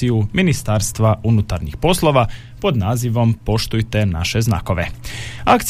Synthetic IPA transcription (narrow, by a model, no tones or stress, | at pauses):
ijuminist̪aɾst̪ʋaʔunut̪aɾɲixpo̞slˠo̞ʋa | po̞d̪naːziʋo̞mpo̞ʃt̪ujt̪ena̰ʃe̞zna̰ko̞ʋeakt̪s